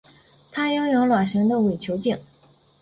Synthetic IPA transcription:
t̪ʰa˥jɑ˥˩ʊjo˧˥ʊlwa˨˩ʂɤ˧˥ŋd̪ə˧we˨˩ɪt͡ɕʰjo˧˥ʊt͡ɕi˥˩ŋ

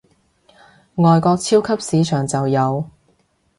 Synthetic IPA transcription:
ŋɔː˨jkɔː˧k̚t͡sʰiː˥wkʰɐ˥p̚siː˨˧t͡ʃʰœː˨˩ŋt͡sɐ˨wjɐ˨˧w

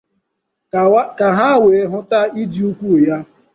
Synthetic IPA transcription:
ka˨ɦa˦we˨e˨ɦʊ˦ta˦i˦di˨u˦kʷu˦˨ja˦

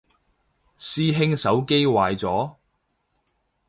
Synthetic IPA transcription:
siː˥ɦɪ˥ŋsɐ˨˥wke˥jwaː˨jt͡sɔː˨˥

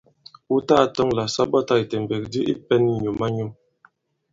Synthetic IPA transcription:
u˦ta˦˨tɔ˦ŋla˨sa˦bɔ˦ta˦i˨te˨m˨be˨k̚di˦ʔḭ˦pɛ˦ni˦ɲu˨ma˦ɲu˦m

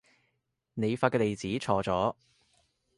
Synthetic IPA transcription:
ne˨˧jfaː˧tkɛː˧le˨jt͡siː˨˥t͡sʰɔː˨˧t͡sɔː˨˥

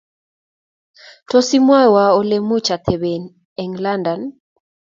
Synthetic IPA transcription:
tɔ˦si˦mwa˦wa˨ɔ˦le˦mu˦t͡ʃa˨t̪ʰɛ˨βe˨n | ɛ˨ŋla˦nda˨n

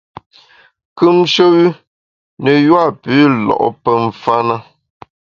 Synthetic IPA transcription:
kʉ˦mʃo˦wʉ˦ | nə˨jwa˦˨pʉː˨˦lɔ̰˨ʔɔ̰˦pə˦ɱ̩˨fa˦nə˦

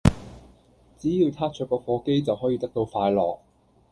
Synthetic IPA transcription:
t͡siː˨˥jiː˧wt̪ʰaː˥t͡ʃʰœ˨˩kɔː˧fɔː˨˧ke˥jt͡sɐ˨wɦɔː˨˥jiː˧t̪ɐ˥k̚t̪o˧wfaː˧jlɔ̰ː˨k̚

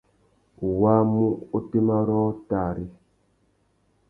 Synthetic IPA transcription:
wa˦mu˦o˦te˦ma˦ɾɔ˦ta˨ɾi˦

